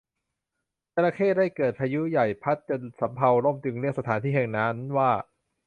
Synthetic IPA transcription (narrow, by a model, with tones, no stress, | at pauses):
t͡ɕa˧ɾa˧kʰeː˥˩da˥˩jkɤː˨˩t̪̚pʰaː˧ju˦˥ja˨˩jpʰa˦˥t̪̚t͡ɕo˧nsa˩˦mpʰa˧wɾo˥˩mt̪ʰɯ˨˧ŋɾi˥˩əŋ̚sa˧t̪ʰaː˩˦nt̪ʰiː˥˩ɛ˧ŋna˦˥nwaː˥˩